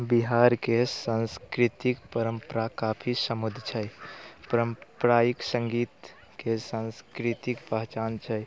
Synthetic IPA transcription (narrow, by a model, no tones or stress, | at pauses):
biɦaɾkesãnskɾit̪ikpəɾəmpəɾakapʰisəmud̪ʱt͡ʃʰəjpəɾəmpɾajiksəŋɡit̪ | kesãnskɾit̪ikpəɦt͡ʃant͡ʃʰəj